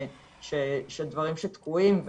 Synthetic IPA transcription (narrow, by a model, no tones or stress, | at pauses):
ʃeʃed̪vaʁimʃet̪kuimv